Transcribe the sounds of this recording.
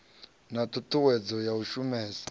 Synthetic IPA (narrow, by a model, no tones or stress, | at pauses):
natutʰuwɛd͡zɔjauʃumɛːsi̥